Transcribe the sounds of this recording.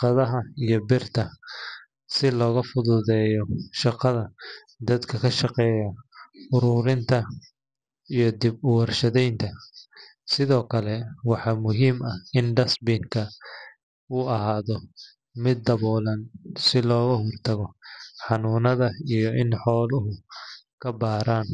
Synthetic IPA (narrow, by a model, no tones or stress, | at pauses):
ʃqɑðɐɦɐijɞbɪrt̪ʰɐ | sɪlɔːɣɐfʊðʊðɛːjɔʃɑqɐðɐ | d̪ɐd̪kʰɐkʰɐʃɑqɛːjɐʊɾʊɾɪnt̪ʰɐ | ijɞd̪ɪbʊwɐrʃɐðɛjnt̪ʰɐ | sɪðɔːkʰɐlɛwɑħɑːmʊɦiːmɐhɪnɖɐsbiŋkʰɐ | uːɐɦaːðɔ | mɪd̪̚ːɐβɔːlɐnsɪlɔːɣɐɦɔrt̪ʰɐɣɔħɑnuːnɐðɐijɔʔɪnħɔːlʊɦʊ | kʰɐbaːɾaːn